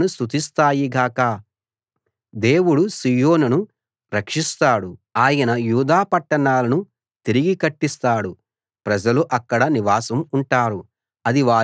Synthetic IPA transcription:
nust̪ut̪ist̪aːjiɡaːkaː | d̪e̞ːwuɽusijo̞ːnunu | ɾɐkʂist̪aːɽuaːjɐnɐjuːd̪aːpɐʈːɐɳaːlɐnu | t̪iɾiɡikɐʈːist̪aːɽu | pɾɐd͡ʒɐluʔɐkːɐɽɐniʋaːsɐmuɳʈaːɾu | ɐd̪iʋaː

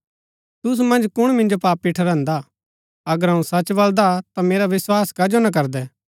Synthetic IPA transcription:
t̪ʊsumɐ̃nd͡ʒkʊɽ̃mɪ̃nd͡ʒopaːpiʈʰɐɾãːnd̪a | ɐɡəɾɦɐ̃ũsɐt͡ʃbɐld̪at̪ameːɾaʋɪswaːskɐd͡ʒonak̬ɐɾd̪ɛː

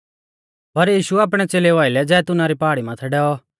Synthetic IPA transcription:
pɐɾjiːʃuaːp̬ɽ̃ɛt͡seːleʋaːɪlɛd͡zɛːt̪ʊnaɾipaːɽimãt̪ʰɛɖɛːɔ

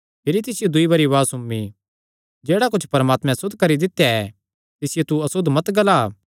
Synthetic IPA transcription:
pʰɪɾit̪ɪsɪjod̪ʊibɐɾiʋaːsʊmːi | d͡ʒeːɽakʊt͡ʃʰpɐɾəmaːt̪mɛ̃sʊd̪ʱkɐɾid̪ɪt̪ːjaɛ | t̪ɪsɪjet̪uɐsʊd̪ʱmɐt̪ɡɐlaː

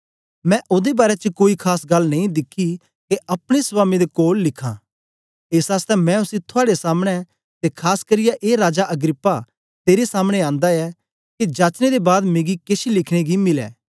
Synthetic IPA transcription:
mɛ̃ʔʊd̪ebaːɾɛt͡ʃəkoːikʰaːsɡɐlːnɐ̃ĩd̪ɪkʰːi | keɐpɽ̃espaːmid̪ekoːlːɪkʰã̰ː | eːsaːst̪ɛmɛ̃ʊsit̪ʰʊaːɽesaːmɽ̃ɛ | t̪ekʰaːskɐɾɪjaʔeːɾaːd͡ʒaʔɐɡɾɪpːa | t̪eːɾesaːmɽ̃eãːnd̪aɛ | kid͡ʒaːt͡ʃned̪ebaːd̪meːɡikesilɪkʰɽ̃eɡimɪlɛ̰ː

